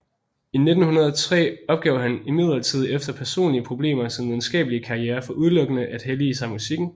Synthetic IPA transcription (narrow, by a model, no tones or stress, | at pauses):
ine̝d̥n̩hunɐð̞ˠt͡sʰʁɛ̰ːɒ̽b̥̚ɡ̥ɛʊɦænimið̞̰ˠlˠɐt͡sʰið̰ˠefd̥ɐpʰæɐso̝̰ːnliəpʰʁo̝b̥le̝̰ːmɐsinʋiðˠn̩sɡ̥ɛ̰ːb̥əliəkʰɑ̈ieːɐfɒ̽ʔuð̞ˠlɔ̽ɡ̥ənəʔæd̥helisɑ̈ɪmusiɡ̥n̩